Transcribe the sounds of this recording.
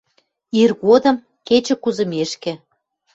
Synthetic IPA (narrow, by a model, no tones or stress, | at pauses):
irɣod̪ə̆m | ket͡ɕĕkuzə̆meʃkĕ